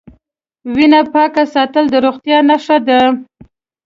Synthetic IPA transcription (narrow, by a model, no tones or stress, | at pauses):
winapɑkasɑt̪əld̪əɾoɣt̪jɑnaʂad̪a